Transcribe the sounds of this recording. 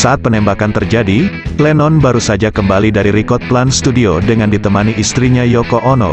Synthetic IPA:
saat̪̚pənɛmbakant̪ərd͡ʒadiklɛnɔnbaɾusad͡ʒakəmbalidaɾiɾikɔt̪̚planst̪udiodəŋandit̪əmaniʔist̪ɾiɲajɔkoʔɔnɔ̰

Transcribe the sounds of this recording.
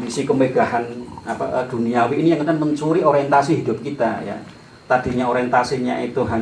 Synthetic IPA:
misikəmeɡ̥ahanapaʔəd̪̥ṳniawiːnijaŋkət̪aməɲt͡ʃuɾioɾiɛnt̪asiɦidʊ̤p̚kit̪aja̰ | t̪ad̥i̤ɲaoɾiɛnt̪asiɲa̰ʔit̪uɦa

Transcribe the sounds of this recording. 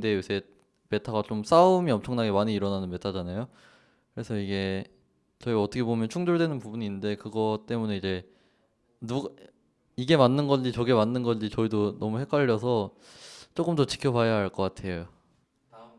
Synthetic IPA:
de̞jusʰe | me̞tʰaɡat͡ɕoms͈aumiʌmt͡ɕʰʌŋnaɡemaɲiːɾʌnanɯnme̞tʰad͡ʑanajo | kɯɾe̞sʰʌiɡe̞ | t͡ɕʌiʌtʰʌkʰe̞bomjʌnt͡ɕʰuŋd͡ʑoɭdwe̞nɯnpubuninːɯnde̞kɯɡʌt͈e̞mune̞id͡ʑe̞ | nuɡa | iɡe̞manːɯnɡʌnd͡ʑit͡ɕʌɡemanːɯnɡʌnd͡ʑit͡ɕʌidonʌmuhe̞k͈ʰaʎːʌsʰʌ | t͡ɕ͈ok͈ɯmdot͡ɕi̥kʰjʌbajaɦaɭk͈ʌk͈atʰe̞jo

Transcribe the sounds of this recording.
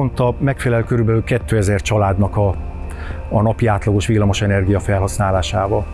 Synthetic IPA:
ont̪ɒmɛkfɛlɛløkøɾybɛlykɛt̪ːøːɛzɛrt͡ʃɒlaːd̪nɒkɒː | nɒpiaːt̪lɒɡoʃʋilːɒmo̞ʃɛnɛrɡijɒfɛlɦɒsnaːlaːʃaːvɒl

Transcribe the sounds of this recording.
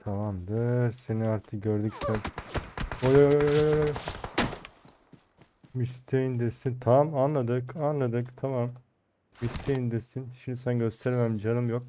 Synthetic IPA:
t̪ʰamamd̪ɯɾseniaɾt̪ʰɯk̚ɟøɾd̪ycsæn | ojojojojojojojo | mist̪ʰejind̪esint̪ʰaamanlˠad̪ɯkanlˠad̪ɯkt̪ʰamam | mist̪ʰejind̪esinʃimd̪isænɟøst̪ʰæɾmæmd͡ʒanɯmjok̚

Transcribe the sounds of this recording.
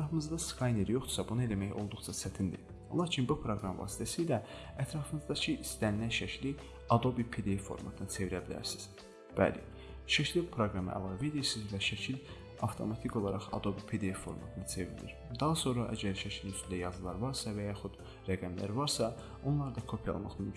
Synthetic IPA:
æɾɑfɯmɯzd̪ɑskʰɑjneɾjo̞χd̪u̥sɑbunɑe̞læmæjo̞̰lˠd̪uχt͡ʃʰɑsʰæt̪ʰind̪ḭ | lˠɑːcʰinbupʰɾo̞ɡɾɑmvɑ̰ːsi̥t̪ʰæsijlæ | æt̪ʰɾɑfɯnɯzd̪ɑcʰiʔist̪ænilænʃæcʰli | ɑd̪o̞bipʰe̞d̪eefo̞̰ɾmɑ̰t̪ʰɯnɯt͡s̪ʰe̞viɾæbilæ̰ɾsi̥z̥ | b̥æ̰lḭ | ʃæcʰlibupʰɾo̞ɡɾɑmɯ̰ʔæ̰lˠɑve̞d̪iɾsizvæʃæcʰil | ɑft̪ʰo̞̰mɑt̪ʰiko̞lˠɑɾɑχɑ̰d̪o̞bipʰe̞d̪eefo̞ɾmɑ̰t̪ʰɯnɯt͡sʰe̞vḭɾnḭɾd̪ɑɦɑso̞nɾɑʔæ̰ɟæɾʃæcʰlinyst̪ʰynd̪æjɑzɯlˠɑɾvɑɾsɑvæjɑχud̪ | ɾæɡæmlæ̰ɾvɑɾsɑ | o̞nlˠɑɾd̪ɑkʰo̞pʰijɑ̰lˠmɑ̰χmy

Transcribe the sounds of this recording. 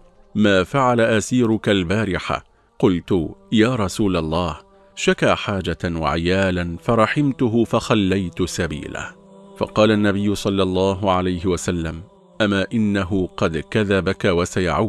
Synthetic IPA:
maːfaʕalaʔasiːɾʊkalbaːɾɪħa̰ | qʊlt̪ʊjaːɾˤɑsuːlɑlˤːɑːh | ʃakaːħaːd͡ʒawa̰ʕɪjaːlanfɑɾˤɑħɪmt̪ʊɦʊfɑxalːajt̪ʊsabḭːla̰ | fɑ̰qɑːlanːabɪjːʊsˤɑlːɑlˤːɑːɦʊʕalajɦɪwasalːam | ʔamaːʔɪnːaɦʊqɑd̪kaðabakawasaja̰ʕaw

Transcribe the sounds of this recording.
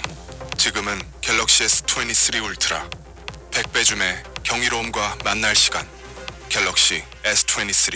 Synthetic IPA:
t͡ɕiɡɯmɯnkeɭːʌk̚ɕ͈iesʰɯ̥tʰueɲis͈ɯɾiuɭtʰɯɾa̰ | pe̞k̚p͈e̞d͡ʑume̞kjʌŋiɾomɡwamanːaɭɕ͈ʰi̥ɡa̰n | keɭːʌk̚ɕ͈i | esʰɯ̥tʰueɲis͈ʰɯɾi

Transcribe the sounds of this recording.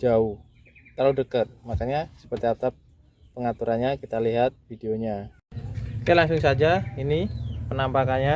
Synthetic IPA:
d͡ʒaʊh | t̪alodəkət̪̚makaɲasə̥pərt̪iat̪ap̚ː | əŋat̪uɾʔanɲakit̪aliɦat̪̚fideoɲa | kajalaŋsʊŋsad͡ʒainipənambakanɲa

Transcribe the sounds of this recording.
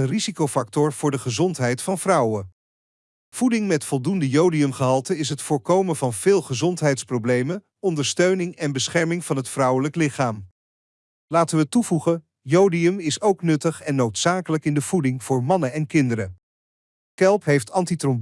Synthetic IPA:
ənrizikowfɑk̚tʊɹv̥ʊːɹdəχəzɔntɦɛjtfɑnv̥rʌwə | v̥udɪŋmɛtfɔlˠdundəjowdiɵmχəɦɑlˠtəɪs̬ɦətfʊːɹkowmənvɑnv̥ɪːlˠχəzɔntɦɛjtsprowblejmən | ɔndəɹstøɥnɪŋɛnbəsχɛɹmɪŋv̥ɑnɦətfrʌwələklɪχaːm | laːtənʋətuvuχən | jowdiəmɪsowknɵtəχɛnːowtsaːkələkɪndəv̥udɪŋv̥ʊːɹmɑnəɛnkɪndəɾə | kɛlˠpɦejftɑntitrɔm

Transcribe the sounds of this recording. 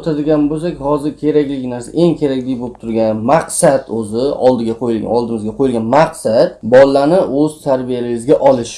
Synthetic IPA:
t̪ʰad̪ɪɡʲanbos̬akʲhɒzɪɾkʲʰe̞ɾakʲlɪkʲnaɾsaʔe̞ŋkʲʰe̞ɾakʲlɪɡʲbolˠɪp̚t̪ʰʊɾɡʲanmaqsad̪ɵzɪɒ̰lˠd̪ɪɡʲaqʰojɪlɡʲa̰ɒlˠd̪ɪmɪzɡʲaqʰojɪlɡʲanmaqsat̪bɒlːanɪɵzt̪ʰaɾbijalɪbɪzɡʲaʔɒlˠɪʃ

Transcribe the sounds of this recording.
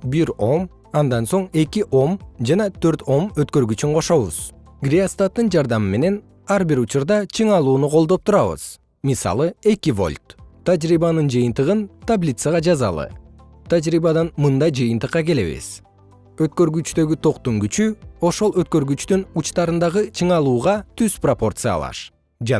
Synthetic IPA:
biɾo̞m | ɑnd̪ɑnso̞ɴe̞kiʔo̞md͡ʒɑnɑt̪ʰøɾt̪ʰo̞møt̪kø̞ɾɡyt͡ʃyɴqʰo̞ʃo̞βṵz̥ | ɡrʲiast̪at̪ːɯnd͡ʒɑɾd̪ɑmɯme̞ne̞n | ɑɾbiɾut͡ʃuɾd̪ɑt͡ʃʰɯɴɑlˠuːnuqʰo̞lˠd̪o̞p̚t̪ʰuɾɑβɯ̰z̥ | misɑ̰lˠɯe̞kivo̞̰lʲt̪t̪ːad͡ʒɾiβɑnɯnd͡ʒɯjɯnt̪ɯʁɯnt̪ablʲit̪səɑʁɑd͡ʒɑzɑ̰lˠɯ̰ | t̪ʰad͡ʒɾiβɑd̪ɑnmɯnd̪ɑjd͡ʒɯjɯnt̪ɯqːɑke̞le̞̰βḭz̥ | ø̞t̪̚kø̞ɾɡyt͡ʃt̪ø̞ɡyt̪ʰo̞qt̪oŋɡyt͡ʃyo̞ʃo̞lˠø̞t̪̚kø̞ɾɡyt͡ʃt̪ynut͡ʃt̪ɑɾɯnd̪ɑʁɯt͡ʃʰɯɴɑlˠuːʁɑt̪ʰyz̥propo̞rt̪sɨjɑ̰lˠɑ̰ʃ | d͡ʒ

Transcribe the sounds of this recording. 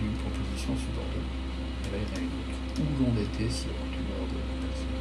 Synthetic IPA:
ynpχɔpozisjɔ̃sypɔʁt̪ɑ̃t̪ | elaiʁjɛ̃inot̪χ | ulɔ̃d̪et̪ʰeseɔ̃t̪unɔ̰ʁd̪əlapχɔpozisjɔ̃

